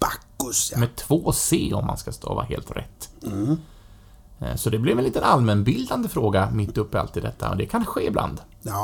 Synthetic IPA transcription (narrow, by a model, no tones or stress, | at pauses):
bakːmɛt̪ʰvoːseːɔmːa̰nskast̪ʰo̰ːva̰ɦḛːlt̪ɾɛ̰t̪ː | sɔd̪ɛblɪvɛnliːt̪ənalmɛnbɪld̪and̪əfɾoːɡamɪt̪ːɵpːɪa̰lt̪ɪd̪ɛt̪ʰːa̰ɔ̰d̪ɛkʰanɧeːɪbla̰nd̪